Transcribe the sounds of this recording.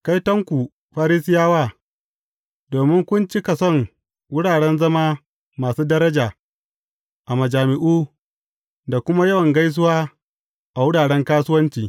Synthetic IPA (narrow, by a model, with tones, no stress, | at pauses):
ka˦jtɐ˦ŋkʷu˨ | ɸaː˦ɾi˦sɪ˦jaː˦waː˦˨ | doː˨mɪ˦ŋkʷʊ˦nt͡ʃi˦ka˨sɔ˦˨ŋ | wʊ˦ɽaː˨ɽɛ˦nzɐ˦maː˦ | maː˨suː˦dɐ˦ɾɐ˦d͡ʒaː˨ | ʔa˨mɐ˨d͡ʒaː˨mɪ˨ʔuː˦ | da˨kʷʊ˦ma˦jɐ˦wɐ˨ŋɡa˦js̬ʊ˦waː˦ | ʔa˨wʊ˦ɽaː˨ɽɛ˦ŋkaː˦sʊ˦wɐ˦nt͡ʃiː˨